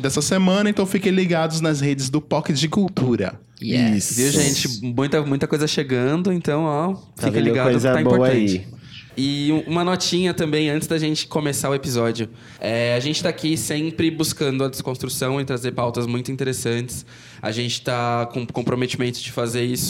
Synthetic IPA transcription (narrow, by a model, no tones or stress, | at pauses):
d̪ɛsɐsemɐ̃nɐẽnt̪ɐ̃w̃fikẽj̃liɡad̪ʊznɐzhed͡ʒɪzd̪ʊpɔkɪd͡ʒɪkuwt̪uɾɐ̰ | ɛ̰sviwʒẽt͡ʃɪmũj̃t̪ɐmũj̃t̪ɐkojzɐʃeɡɐ̃nd̪ʊẽnt̪ɐ̃w̃ɔfivẽliɡadoʊzt̪aĩbpoɾt̪ɐ̃t͡ʃɪ | ɪũũmɐnɔt͡ʃĩɲɐt̪ɐ̃mbẽj̃ɐ̃nt͡ʃɪzd̪aʒẽnt͡ʃɪ̥komesaʊepizɔd͡ʒiʊ | ɛaʒẽnt͡ʃɪ̥t̪aakisẽmpɾɪbuskɐ̃nd̪ʊɐd̪eskõst̪ɾusɐ̃w̃ɪt̪ɾazeɾpawt̪ɐzmũj̃t̪ʊĩnt̪eɾesɐ̃nt͡ʃɪ̥s | a̰ʒẽnt͡ʃɪ̥t̪akõkõpɾomet͡ʃimẽnt̪ʊ̥d͡ʒɪfazeɾisʊ̥